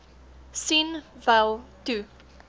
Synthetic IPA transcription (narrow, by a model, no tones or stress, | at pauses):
sinvalˠtu